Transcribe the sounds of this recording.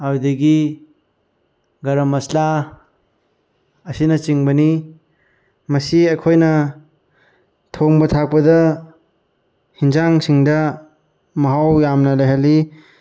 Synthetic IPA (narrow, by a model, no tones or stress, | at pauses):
awdɐɡi | ɡɐɾɐmɐsla | ɐsinɐt͡ʃiŋbɐni | mɐsiɐjkʰojnɐ | tʰoŋbɐtʰak̚pɐdɐ | hinzaŋsiŋdɐ | mɐɦawjamnɐlɐjɦɐli